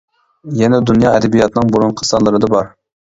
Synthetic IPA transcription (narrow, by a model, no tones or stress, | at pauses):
jɛnɛd̪unjɑɛd̪ɛbijɑt̪nɨŋbuɾunqʰə̥sɑnlˠɨɾɨd̪ɑbɑɾ